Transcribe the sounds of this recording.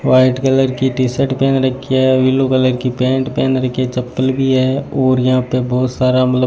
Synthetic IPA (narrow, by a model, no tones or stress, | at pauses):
ʋaːɪʈkələɾkiʈisəʈpɛːnɾɐkʰːiɛʋilokələɾkipɛ̃ːɳʈpɛːnɾɐkʰiet͡ʃɐpːəlbʱiɦɛːɔːɾjɐɦãpebɔːt̪saːɾamət̪lə